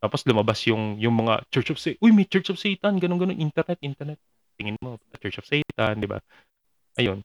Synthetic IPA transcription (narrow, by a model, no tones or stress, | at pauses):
t̪aːpo̞slʊmɐbasjʊŋjʊŋmɐŋa̰t͡ʃɛɹt͡ʃofsɛʔojmɛt͡ʃɛɹt͡ʃɔfsɛjt̪ɐnɡɐnonɡɐno̞nʔint̪ɛɾnɛt̪̚ʔint̪ɛɾnɛt̪̚ | t̪ɪŋɪnmopɐkɐt͡ʃɛɹt͡ʃofsɛjt̪ɐnd̪ɪba̰ | ʔɐjo̞n